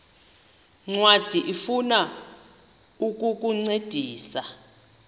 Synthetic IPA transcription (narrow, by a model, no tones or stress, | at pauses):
ŋ͡ǀwad̥ʱiʔifuna | uk̬ʼuk̬ʼuŋ͡ǀed̥ʱiːsa